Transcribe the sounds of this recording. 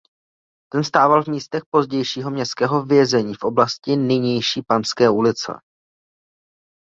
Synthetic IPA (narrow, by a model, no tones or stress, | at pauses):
t̪ɛnst̪aːvalvmiːst̪ɛxpo̞zɟɛjʃiːɦo̞mɲɛst̪kɛːɦo̞vjɛzɛɲiːfʔo̞blascɪnɪɲɛjʃiːpanskɛːʔulɪt͡sɛ̰